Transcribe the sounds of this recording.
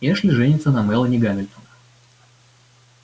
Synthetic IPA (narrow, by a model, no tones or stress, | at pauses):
ɛʂlʲɪʐɛnʲɪt̪sənɐmɛlˠənʲɪɡamʲɪlʲt̪onə